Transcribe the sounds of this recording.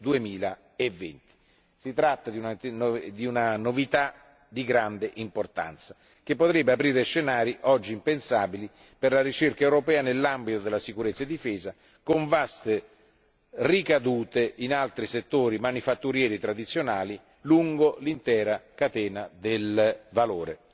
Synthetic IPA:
d̪uemiːla | evːɛ̰nt̪i̥ | sit̪ɾat̪ːad̪iunad̪iunanovit̪a | d̪iɡɾand̪eʔimport̪a̰nt̪sa | k̟epːot̪ɾɛbːeapɾiːɾeʃenaːɾiʔɔd͡ʒːiːmpensaːbili | perlaɾit͡ʃerkaewɾopɛːanelːambit̪od̪elːasikuɾet̪sːaed̪ːifɛːza | koɱvast̪e | rikad̪uːt̪eʔinalt̪ɾiset̪ːoːɾimanifat̪ːuɾjɛːɾit̪ɾad̪it̪sːjonaːli | luŋɡolint̪ɛːɾakat̪ɛːnad̪elvaloːɾe

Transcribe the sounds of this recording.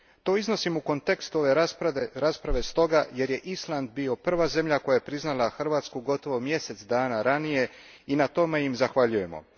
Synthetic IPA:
t̪o̞izno̞simuko̞nt̪e̞kst̪o̞ʋe̞ɾaspɾaʋe̞st̪o̞ɡaje̞ɾje̞ʔislˠand̪̚bio̞pr̩ʋaze̞mʎako̞jajepɾiznalˠaxr̩ʋaːt̪skuɡo̞t̪o̞ʋo̞mje̞se̞t̪sd̪aːnaɾanije̞ | inat̪o̞me̞jimzaxʋaʎuje̞mo̞̰

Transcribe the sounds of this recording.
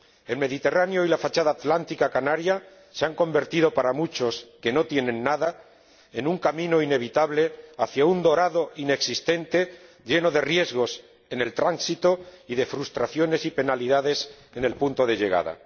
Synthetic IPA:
e̞lme̞ðit̪e̞ranjo̞ilafat͡ʃaðaːt̪lant̪ikakanaɾja | seaŋko̞mbe̞ɾt̪iðo̞paɾamut͡ʃo̞ske̞no̞t̪je̞nẽ̞nːaða | enuŋkamĩno̞ine̞β̞it̪aβle̞aθjaund̪o̞ɾaðo̞ine̞ksist̪e̞nt̪e̞ | ɟ͡ʝe̞no̞ðe̞rje̞zɣo̞s | e̞ne̞lt̪ɾansit̪o̞iðe̞fɾust̪ɾaθjo̞ne̞sipe̞naliðaðe̞s | ene̞lpunt̪o̞ð̞e̞ʝe̞ɣ̞a̰ða̰

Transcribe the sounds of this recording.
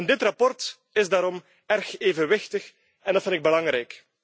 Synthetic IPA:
ndɪtrɑpɔrt | ɪzdaːɾɔm | ɛrxeːvənʋɪxtəx | ɛndɑtfɪntɪɡ̚bəlɑŋɾɛjk

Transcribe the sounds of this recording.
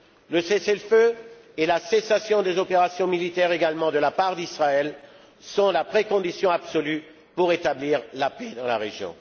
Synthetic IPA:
ləsesɛlfø | elasesasjɔ̃d̪ezɔpeʁasjɔ̃milit̪ɛʁeɡalmɑ̃d̪əlapaʁd̪isχaɛl | sɔ̃lapχekɔ̃d̪isjɔ̃absɔly | puʁet̪abliːʁlaped̪ɑ̃la̰ʁeʒjɔ̰̃

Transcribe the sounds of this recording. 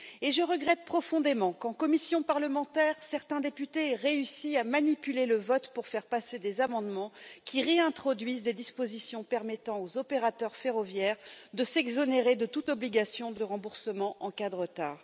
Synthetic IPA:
eʒəʁəɡʁɛt̪̚pχɔfɔ̃d̪emɑ̃kɑ̃kɔmisjɔ̃paʁləmɑ̃t̪ɛʁsɛʁt̪ɛ̃d̪epyt̪eʁeysiamanipyleləvɔt̪puʁfɛʁpased̪ezamɑ̃d̪mɑ̃kʲʰiʁeɛ̃t̪χɔd̪ɥizd̪ed̪ispozisjɔ̃pɛʁmɛt̪ɑ̃ozɔpeʁat̪œʁfeʁɔvjɛːʁd̪əsɛɡzɔneʁed̪ət̪ut̪ɔbliɡasjɔ̃d̪əʁɑ̃buʁsəmɑ̃ʔɑ̃kad̪əʁət̪aːʁ

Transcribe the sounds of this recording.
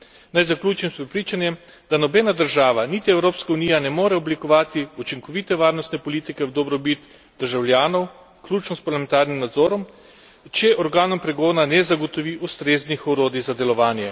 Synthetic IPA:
najzaklʲuːt͡ʃimspɾɛpɾiːt͡ʃanjɛm | d̪anɔbɛːnad̪əɾʒaːʋanit̪iɛwɾoːpskaunijanɛmoːɾɛɔblikɔʋaːt̪iut͡ʃiŋkɔʋiːt̪ɛʋaːɾnɔst̪nɛpɔlit̪ikɛwd̪ɔbɾɔbit̪ | d̪əɾʒawlʲjaːnɔw | klʲuːt͡ʃnɔspaɾlamɛnt̪aːɾnimnad̪zoːɾɔm | t͡ʃɛʔɔɾɡaːnɔmpɾɛɡoːnanɛzaɡɔt̪ɔʋiʔust̪ɾeːznixɔɾoːd̪izad̪ɛlɔʋaːnjɛ

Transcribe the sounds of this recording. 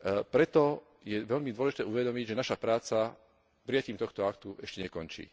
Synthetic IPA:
pɾɛt̪ɔ | jɛʋɛʎmid̪ʊwɔlɛʒit̪ɛːuʋɛd̪ɔmiɟʒɛnaʃapɾaːt͡sa | pɾijaciːmt̪ɔxt̪ɔakt̪uʔɛʃcɛɲɛkɔnt͡ʃḭː

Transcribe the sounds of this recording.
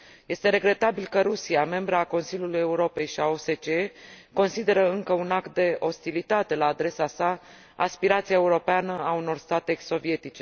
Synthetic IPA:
je̞st̪e̞ɾe̞ɡɾe̞t̪abilkəɾusiame̞mbɾəako̞nsiljuluje̞uɾo̞pe̞jʃiao̞se̞t͡ʃeko̞nsid̪e̞ɾəɨŋkəunakt̪̚d̪e̞ʔo̞st̪ilit̪at̪e̞laːd̪ɾe̞sasaː | spiɾat̪sijae̞uɾo̞peanəauno̞rst̪at̪e̞so̞vije̞t̪it͡ʃe̞

